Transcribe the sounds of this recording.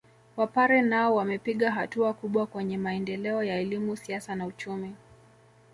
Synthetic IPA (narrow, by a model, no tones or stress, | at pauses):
wapaɾɛnaɔwamɛpiɠaɦatuakuɓwakwɛɲɛmaɛndɛlɛɔjaɛlimusiasanaut͡ʃumi